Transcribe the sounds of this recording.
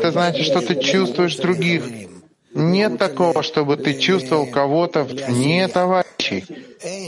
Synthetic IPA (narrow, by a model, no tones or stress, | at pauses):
ɛt̪əznat͡ɕɪt̪ʂt̪o̞t̪ɨt͡ɕust̪vʊjɪʂd̪ɾʊɡʲix | nʲe̞t̪ːɐko̞vəʂt̪o̞bɨt̪ɨt͡ɕust̪vəvəlˠkɐvo̞t̪əvvnʲet̪ɐvaɾʲɪɕːɪ̰j